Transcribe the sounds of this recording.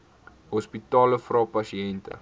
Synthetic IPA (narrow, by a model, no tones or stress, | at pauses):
ɦɔspitɑːləfrɑːpɐsiɛntə̰